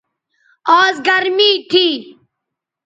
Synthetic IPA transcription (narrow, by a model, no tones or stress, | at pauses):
ɔːzɡɐɾmiːʈ̪ʰiː